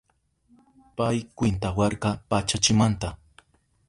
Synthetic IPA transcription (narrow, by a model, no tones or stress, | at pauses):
pajkwɪnt̪awɑɾkɑpat͡ʃat͡ʃɪmant̪a